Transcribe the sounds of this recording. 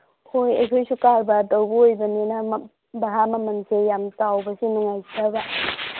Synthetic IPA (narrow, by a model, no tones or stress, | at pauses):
hʰojɐ̰jkʰojsukalbɐdowbɐojbɐnenɐ | bɐɦamɐmɐnsʰejamtawbɐsinuŋajsʰaba